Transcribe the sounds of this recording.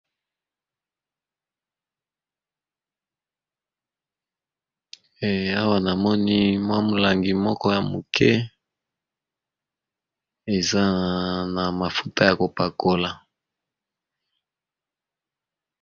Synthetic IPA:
a˦wa˦na˨mɔ˦ni˦mwa˦mo˨la˨ŋɡi˨mɔ˦kɔ˦ja˨mo˨kʰɛ˦ | e˨za˦na˨ma˨fu̥˦ta˦ja˨ko˨pa˨ko˨la˨

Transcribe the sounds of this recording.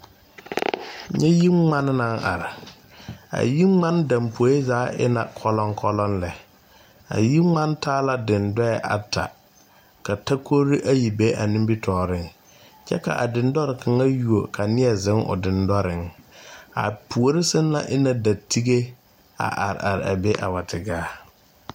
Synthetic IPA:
ɲɛ˦ji˦ŋ͡ma˦n˦na˦ŋa̰˨ɾɪ˨ | a̰˨ji˦ŋ͡ma˦n˦dã˨mpʰo˨˦e˦zaː˨˦ʔɪ̰˦na̰˨kʰɔ˦lɔ˦ŋkʰɔ˦lɔ˦nlɛ˨ | a̰˨ji˦ŋ͡ma˦ntaː˦la˦dɪ˨ndɔ˦ɛ˨ʔa̰˨tʰa̰˨ | ka˨ta˦kʰo˦ɾi˦ʔa˦ji˨be˦ʔa˨ni˦mbi˦tʰɔː˨ɾɪ˦˨ŋ | t͡ʃɛ̰˦ka̰˨ʔa˨dɪ˨ndɔ˦ɾɪ˨kʰa˨ŋa˦ju˨o˨kʰa˨nɪ˦ɛ˨zɪ˦ŋʊ̰˨dɪ˨ndɔ˦ɾɪ˨ŋ | a̰˨pu˨o˨ɾɪ˦sɪ˦n˦la̰˦ʔɪ˦na˨da˨tʰi˦ɡe˦ | a̰˨ʔa̰˨ɾɪ̰˨a˨ɾɪ̰˨a˨be˦ʔa˨wa˨tʰɪ˨ɡaː˦

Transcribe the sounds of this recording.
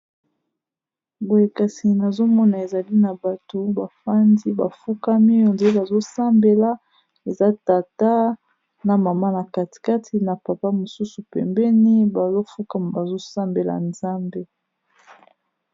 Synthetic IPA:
bo˨je˨ka˨si˨na˨zo˦mɔ˦na˨e˨za˨li˦na˨ba˨to˨ba˨fa˦ndi˦ba˨fu˦ka˦mi˦jo˨nze˦ba˨zo˦sa˦mbe˨la˦ | e˨za˦ta˨ta˦ | na˨ma˨ma˦na˨ka˦ti̥˨ka˦tʰi˨na˨pa˨pa˦mo˨su˦su˨pɛ̰˨mbɛ˦ni˦ba˨zo˦fu˦ka˦m˨ba˨zo˦sa˦mbe˨la̰˨nza˦mbe˦

